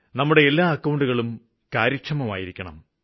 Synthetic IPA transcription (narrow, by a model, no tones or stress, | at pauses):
nɐmːuɽe̞elːaːɐkːɐwuɳɖuɣɐɭum | kaːɾɐkʂʰɐmɐma̰ːjiɾikʲːɐɳɐ̰m